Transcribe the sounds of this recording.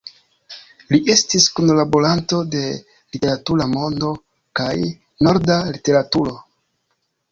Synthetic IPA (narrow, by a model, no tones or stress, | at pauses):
liʔe̞stiskunlaboɾanto̞de̞ | lite̞ɾatuɾamo̞ndo̞ | kaj | no̞ɾdalite̞ɾatuɾo̞